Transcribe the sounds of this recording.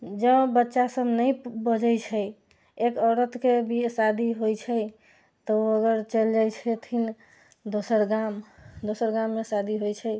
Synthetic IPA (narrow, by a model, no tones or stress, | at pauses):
d͡ʒəbətːʃasəbnəjbəd͡ʒət͡ʃʰə | ekəɾət̪kebʱisad̪ʱiɦojt͡ʃʰəj | t̪ɔəɡəɾt͡ʃəld͡ʒajt͡ʃʰɛt̪ʰin | d̪osəɾɡamd̪osəɾɡamːesad̪ʱiɦojt͡ʃʰə